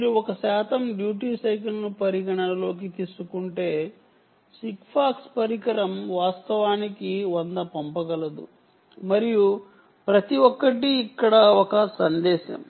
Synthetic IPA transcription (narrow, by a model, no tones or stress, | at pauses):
miɾuɔkɐsɛːt̪ɐmɖjuːʈiːsɐjk̬ɐlnupɐɾiɡɐɳɐlo̞ːk̬it̪iːsukuɳʈe̞ː | sikpʰaːkspɐɾikɐɾɐmʋaːst̪ɐʋaːnikiʋɐnd̪ɐpɐmpɐɡɐlɐd̪ṵ | mɐɾiju | pɾɐt̪iʋɔkːɐʈ̬iːkːɐɽɐɔkɐsɐnd̪ɛːʃɐ̰m